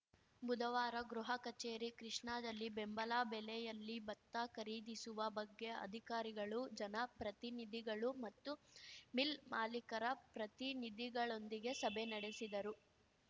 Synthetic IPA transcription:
bud̪ɐʋaːɾɐɡɾuɦɐkɐt͡ʃeːɾikɾiʂɳaːd̪ɐlːibembɐlaːbɛlɛjɐlːibɐt̪ːakɐɾiːd̪isuʋɐbɐɡːe̞ɐ̰d̪ʱikaːɾiɡɐɭud͡ʒɐnɐpɾɐt̪inid̪iɡɐɭumɐt̪ːumilmaːlikɐɾɐpɾɐt̪inid̪iɡɐɭo̞nd̪iɡe̞sɐbʱenɐɽesid̪ɐɾu

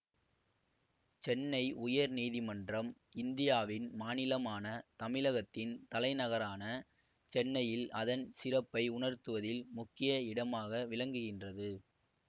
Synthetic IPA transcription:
t͡ʃɛnːɐɪʔʊjɐɾniːðɪmɐndrɐm | ɪnd̪ɪjaːʋɪnmaːnɪlɐmaːnɐt̪ɐmɪlɐɣɐt̪ːɪnt̪ɐlɐɪnɐɣɐɾaːnɐ | t͡ʃɛnːɐjɪlɐðɐnsɪrɐpːɐɪʊɳɐɾt̪ɯʋɐðɪlmʊkːɪjɐɪɽɐmaːɣɐʋɪlɐŋɡɯɣɪndrɐðɯ

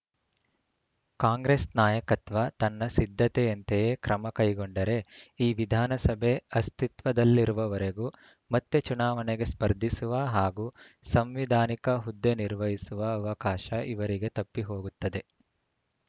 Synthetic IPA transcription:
kaːŋɡɾesnaːjɐkɐt̪ʋɐt̪ɐnːɐsid̪ʱːɐt̪eɐnt̪ejekɾɐmɐkɐjɡoɳɖɐɾe̞iːʋid̪ʱaːnɐsɐbʱe̞ɐst̪it̪ʋɐd̪ɐlːiɾuʋɐʋɐɾeɡuː | mɐt̪ːet͡ʃunaːʋɐneɡe̞spɐɾd̪ʱisuʋɐɦaːɡuː | sɐmʋid̪ʱaːnikɐɦud̪ːeniɾʋɐɦisuʋɐːʋɐkaːʃɐʔiʋɐɾiɡe̞t̪ɐpːiɦo̞ːɡut̪ːɐd̪e̞

